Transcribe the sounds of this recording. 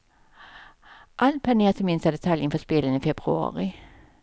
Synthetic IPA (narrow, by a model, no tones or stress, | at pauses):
ʔal̚pʰæneːt̪ʰɪmɪnst̪ad̪ɛt̪ʰaljənfɔspɪlːəniːfɛbʁʉɑ̰ːʁɪ